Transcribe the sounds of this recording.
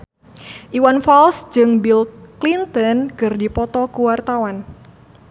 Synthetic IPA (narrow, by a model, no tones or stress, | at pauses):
ʔiwanfalsd͡ʒɨŋbilklint̪ɔnkɨrdipɔt̪ɔkuwart̪awan